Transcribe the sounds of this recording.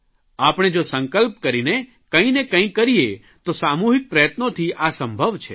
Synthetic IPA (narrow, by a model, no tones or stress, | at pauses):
apɽ̃ed͡ʒosəŋkəlp̚kəɾine | kə̃ĩnekə̃ĩkəɾie | t̪osamuɦik̚pɾəjət̪not̪ʰiʔasə̃mbʱəʋt͡ʃʰe